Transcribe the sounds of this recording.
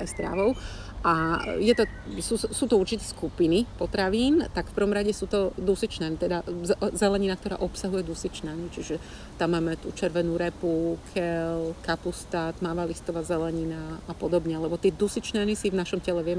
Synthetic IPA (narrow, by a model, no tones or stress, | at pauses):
ɛst̪ɾa̰ʋɔʊ | ʔajɛt̪ɔ | susuːt̪ɔuɾt͡ʃit̪ɛskupinipɔt̪ɾaʋiːnt̪akfpr̩ʋɔmɾaɟɛsuːt̪ɔd̪usit͡ʃnɛːnit̪ɛd̪azɛzɛlɛɲinak̚t̪ɔɾa̰ːʔɔpsaɦujɛd̪usit͡ʃnɛnit͡ʃiʒɛ | t̪amːaːmɛt̪uːt͡ʃɛɾʋɛnuːɾɛpukʰɛlkapust̪aːt̪maːʋalist̪ɔʋazɛlɛɲinaːpɔd̪ɔbɲɛalɛbɔt̪ɪɛd̪usit͡ʃnɛːnisivnaʃɔmcɛlɛʋɪɛmɛ